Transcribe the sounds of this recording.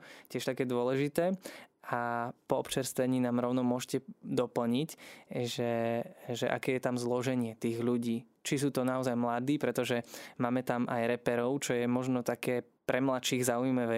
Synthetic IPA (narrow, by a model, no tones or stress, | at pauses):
cɪɛʃt̪akɛːd̪ʊɔlɛʒit̪ɛːapɔɔpt͡ʃɛɾst̪ʋɛɲiːnaːmɾɔʊnɔmʊɔʃcɛd̪ɔpl̩ɲicʒɛʒɛʔa̰kɛːjɛt̪amzlɔʒɛɲɪɛt̪iːɣʎuɟiː | t͡ʃis̬uːt̪ɔnaɔzajmlad̪iːpɾɛt̪ɔʒɛmaːmɛt̪amʔajɾɛpɛɾɔʊt͡ʃɔjɛmɔʒnɔt̪akɛː | pɾɛmlat̪ʃiɣzaujmaʋɛː